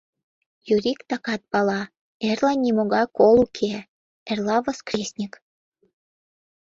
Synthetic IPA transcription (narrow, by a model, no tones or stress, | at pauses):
juɾikt̪ɑkɑt̪̚pɑlɑ | erlɑnʲimoɣɑkolukʰe | erlɑβoskrʲesʲnʲik